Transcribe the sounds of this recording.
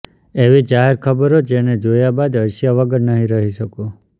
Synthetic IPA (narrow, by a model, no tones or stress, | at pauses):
eʋid͡ʒaɦeɾkʰəbəɾod͡ʒened͡ʒojabad̪əʃijaʋəɡəɾnəɦĩɾəɦiʃəko